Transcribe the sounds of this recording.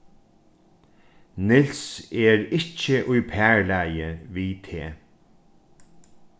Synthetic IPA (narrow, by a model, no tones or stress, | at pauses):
nɪlsɛɹɪcːəʔʊjpʰæːɹlæjəviːt̪ʰeː